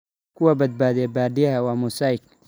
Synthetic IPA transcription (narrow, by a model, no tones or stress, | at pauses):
kʰʊwɐbɐd̪̚baːðɛbaːd̪ɪjɐɦɐwɑːmʊsaːɪk